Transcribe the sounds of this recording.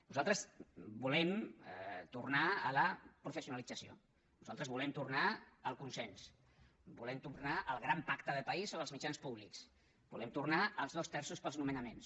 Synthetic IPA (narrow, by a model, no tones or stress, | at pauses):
nuzalˠt̪ɾəsbulɛm | t̪urnaələpɾufəsiunəlid͡zəsio̰ | nuzalˠt̪ɾəzβulɛmt̪urnaəlˠkunsɛns | bulɛmt̪urnaʔəlˠɣ̞ɾampakt̪əðəpəisoβəlˠzmit͡ʃanspuβliks | b̥ulɛmt̪urnaəlˠzðost̪ɛɾsuspəlznumənəmens